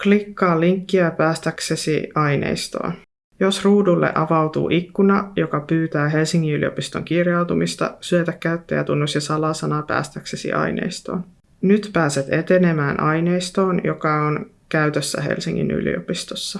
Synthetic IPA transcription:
klikːɑːliŋkːiæpæːst̪æksesḭɑjnḛjst̪o̞̰ːn | jo̞sruːdulːḛʔɑʋɑwt̪ṵːʔikːunɑjo̞kɑpyːt̪æːɦe̞lsiŋːiylio̞̰pist̪oŋkirjɑwt̪umist̪ɑ̰syøt̪ækːæyt̪ːejæ̰t̪unːosjɑsɑlɑsɑnɑpæ̰ːst̪æksesḭʔɑ̰jnḛist̪o̞̰ːn | nyt̪pæːset̪e̞t̪e̞ne̞mæːnʔɑjne̞jst̪o̞ːnjo̞kɑon | kæyt̪øsːæ̰ɦe̞̰lsiŋːḭny̰lḭopist̪o̞sːɑ

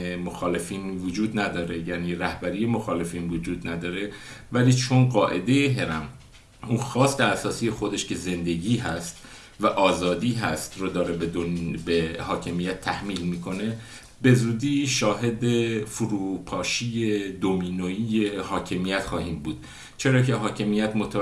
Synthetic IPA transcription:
emoxɒːle̞fiːnvod͡ʒuːd̪næd̪ɒːɾe̞jæːniːɾæhbæɾije̞mo̞xɒːle̞fiːnvod͡ʒuːd̪næd̪ɒːɾe̞ | væliːt͡ʃʰo̞nɢɒːʔe̞d̪e̞jeɦe̞ɾæm | ʔuːnxɒːst̪eæsɒːsiːjexo̞d̪e̞ʃce̞ze̞nd̪e̞ɟiːɦæst̪ | væʔɒːzɒːd̪iːɦæst̪rod̪ɒːɾebeobehɒːcʰe̞mijæt̪ʰːæhmiːlmiːkʰo̞ne̞ | be̞zuːd̪iːʃɒːɦe̞d̪efuɾuːpʰɒːʃiːjed̪omiːnoiːjehɒːcʰe̞mijæt̪xɒːhiːmbuːd̪̥ | t͡ʃʰe̞ɾɒːcʰe̞ɦɒːcʰe̞mijæt̪mot̪ʰ

